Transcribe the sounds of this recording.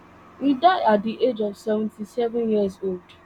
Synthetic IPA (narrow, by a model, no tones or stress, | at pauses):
idaɪat̚diʔed͡ʒɔvsɛvɛ̃n̩tisɛvʊ̃njiəzold